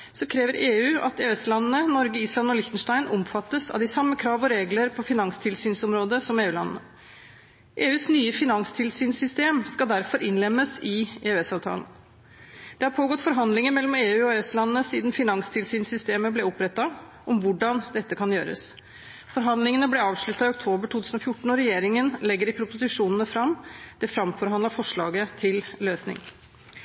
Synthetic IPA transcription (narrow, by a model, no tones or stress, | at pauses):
sɔkʰɾeːʋəɾʔeːʉːɑ̰t̪eːɛslɑnənənɔɾɡəiːslɑnɔlɪçt̪nʂʈæɪnʔɔ̰mfɑt̪ːəsɑ̰ʋd̪ɪsɑmːəkʰɾɑːʋɔɾeːɡləɾpʰɔfɪnɑŋst̪ʰɪlsyːnsɔmɾoːd̪əsɔmeːʉːlɑ̰nnə | ʔeːʉːsnyːəfɪnɑŋst̪ʰɪlsyːnsʏst̪eːmskɑd̪æɾfɔɾʔɪnlɛmːəsɪeːʉɛsɑːʋt̪ʰɑ̰ːlən̩ | d̪̥ɛhɑɾpʰoːɡɔt̪ːfɔɾɦɑnd̪lɪŋənmɛlːɔmeːʉːɔɛslɑnːənəsiːd̪nfɪnɑŋst̪ʰɪlsyːnsʏst̪eːməblɛɔpɾɛt̪ːɑ | ʔɔmʋʊɖɑnd̪ɛt̪ːəkʰɑnjø̰ːɾə̰s | fɔɾɦɑnd̪lɪŋənəblɛɑːʋʂɭʉt̪ːɑɪʊk̚t̪ʰoːbəʈʰuːt̪ʉːsn̩ɔfjʊʈːɳ̩ɔɾɛjeːɾɪŋənlɛɡːəɾɪpʰɾʊpʊsɪʂuːnənəfɾɑmːd̪̥ɛfɾɑmfɔɾhɑnd̪ɑɾfɔʂɭɑ̰ːɡət̪ʰɪlløːsnɪ̰ŋ